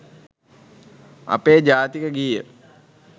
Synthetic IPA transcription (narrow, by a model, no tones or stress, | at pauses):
a̰peːd͡ʒaːt̪ikəɡijə